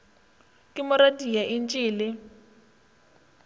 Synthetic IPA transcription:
kʼɪmʊɾadijaʔint͡ʃʼiːlɪ

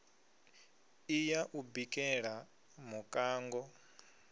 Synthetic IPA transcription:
ijaʔubikʼɛɺa | mukʼaːŋɡɔ

